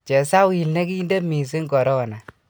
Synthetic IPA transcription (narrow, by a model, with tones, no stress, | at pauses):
t͡ʃɛ˨sa˦wi˨lne˦ki˦i˦nde˦mi˨s̬i˦ŋɡɔ˨ɾɔ˦ɔ˨na˨